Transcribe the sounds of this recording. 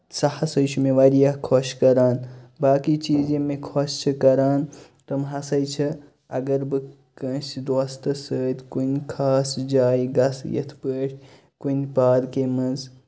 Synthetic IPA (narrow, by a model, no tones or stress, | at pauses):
sɐhɐsɐjt͡ʃʰumẽʋaːɾijakʰoʃkɐɾaːnbaːkit͡ʃiːd͡ʒẽmẽkʰoʃt͡ʃʰɐkɐɾaːn | t̪ɐmɦɐsɐjt͡ʃʰɐ | ɐɡɐɾbɨ | kə̃sd̪wast̪ɐsəːt̪ʲkunkʰaːsd͡ʒaːjɡɐsjɐ̰t̪ʰpəːʈʰ | kunpaːd̪kemɐnz